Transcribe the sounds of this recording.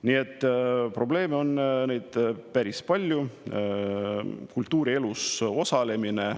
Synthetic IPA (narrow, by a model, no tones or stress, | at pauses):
nie̞t̪ˑːpro̞b̥le̞ːmeo̞nːne̞jd̪̥pæɾispɑlʲju | kult̪ːuːɾie̞luso̞sɑle̞mine̞